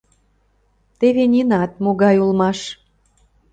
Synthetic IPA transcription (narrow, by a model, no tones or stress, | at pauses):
t̪eβenʲinɑt̪̚moɣɑjulmɑʃ